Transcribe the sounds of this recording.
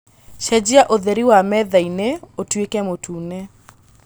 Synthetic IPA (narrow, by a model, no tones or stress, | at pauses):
ʃɛd͡ʒiaʔoðeɾiwamɛðaineotwekɛmotʰune